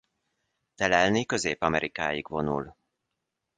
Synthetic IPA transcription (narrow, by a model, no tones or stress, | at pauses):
t̪ɛlɛlnikø̞zeːpɒmɛɾʔikaːjiɡvo̞nṵl